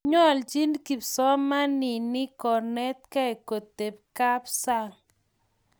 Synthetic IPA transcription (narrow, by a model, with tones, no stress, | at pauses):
ɲɔ˦˨ld͡ʒi˦nki˨psɔ˦ma˦nɪ˨nɪ˦kɔ˨nɛ˦t̪̚ka˦e˨ko˨t̪e˨p̚ka˦psa˦ŋ